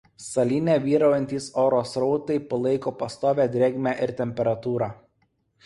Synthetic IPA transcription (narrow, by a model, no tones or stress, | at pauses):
sɐlʲiːnʲɛːʋʲiːɾɐʊjɛnʲt̪ʲiːsoːɾoːsɾɔʊt̪ɐɪpɐlˠɐɪkoːpɐst̪oːʋʲæːd̪ʲɾʲeːɡʲmʲæʔɪɾt̪ʲɛmʲpʲɛɾɐt̪uːɾɑː